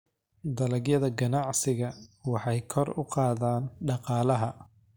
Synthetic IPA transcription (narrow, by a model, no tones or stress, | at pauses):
d̪ɐlɐɡjɐðɐɡɐnɑʕsɪɣɐwɑħɑjkʰɔrʊqɑːðaːnɖɑqɑːlɐɦɐ